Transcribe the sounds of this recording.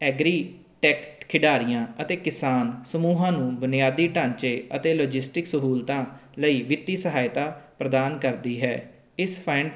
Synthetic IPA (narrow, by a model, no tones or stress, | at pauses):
ɛːɡɾiː | ʈɛːkʈkʰɪɖaːɾijãːət̪eːkɪsaːnsəmuːɦãːnũːbənɪjaːd̪iːʈãːɲt͡ʃeːət̪eːloːd͡ʒɪsʈɪksəɦuːlt̪ãːləiːʋɪt̪iːsəɦaːjɪt̪aːpɾəd̪aːnkəɾd̪iːɦɛː | ɪspʰɛ̃ɳ